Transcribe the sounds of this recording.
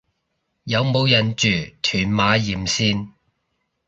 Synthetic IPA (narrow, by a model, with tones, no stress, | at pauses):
jɐ˨˧wmo˨˧wjɐ˨nt͡ʃyː˨˩t̪ʰyː˨˩nmaː˨˧jiː˨˩msiː˥n